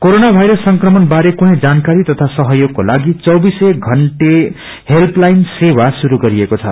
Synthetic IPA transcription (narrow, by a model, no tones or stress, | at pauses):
koɾonabʱajɾʌsːʌŋkrʌmʌnbaɾekuɦʌ̃d͡zankaɾit̪ʌt̪ʰasʌɦʌjoɡ̚kolaɡit͡sʌwbiseɡʱʌɳʈe | helplajnsewasuɾuɡʌɾiekot͡sʰʌ̰